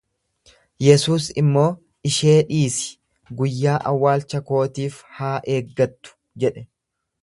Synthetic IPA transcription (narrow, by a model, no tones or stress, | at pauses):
jɛsuːsɪmːo̞ː | ɪʃe̞ːᶑiːsɪ̥ | ɡʊjːaːʔɐwːaːlt͡ʃɐko̞ːt̪iːfhaːʔe̞ːɡːɐt̪ːʊ̥ | d͡ʒɛᶑɛ